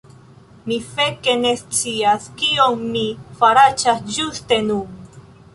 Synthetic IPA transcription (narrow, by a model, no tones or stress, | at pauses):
mifeke̞ne̞st͡siaskio̞nmifaɾat͡ʃasd͡ʒuste̞nu